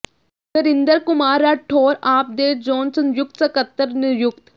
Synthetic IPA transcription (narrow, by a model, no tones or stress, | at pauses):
səɾɪnd̪əɾkʊmaːɾːɐʈʰoːɾaːp̚d̪eːʈd͡ʒɔːnsənjʊk̚t̪sɐkət̪ːəɾnɪɾjʊkt̪